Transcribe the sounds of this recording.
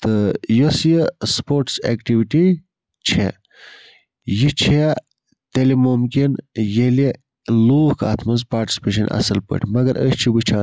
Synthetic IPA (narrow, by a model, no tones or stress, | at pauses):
t̪ɨjosjəspoːɾʈsḛːkʈiʋiʈi | t͡ʃʰe | jit͡ʃʰe | t̪elimumkinjele | luːhkɐ̰t̪ʰmɐnzpaːɾʈi̥si̥peʃ̬ɐnʔɐ̰sɐlpə̰ʈʰmɐɡɐɾʔəɕt͡ʃʰibɨt͡ʃʰaː